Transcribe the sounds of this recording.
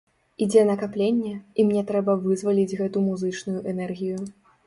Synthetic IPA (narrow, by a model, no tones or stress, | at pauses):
id͡zʲɛnɐkaplʲenʲːɛimnʲɛt̪ɾɛbɐvɨzvalʲid͡zʲɣɛt̪umuzɨt͡ʂnujuʔɛnɛrɣʲiju